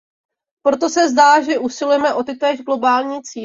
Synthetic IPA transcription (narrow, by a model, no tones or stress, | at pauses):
pɾo̞t̪o̞sɛzdaːʒɛʔusɪlujɛmɛʔo̞t̪ɪt̪ɛːʒɡlo̞baːlɲiːt͡siː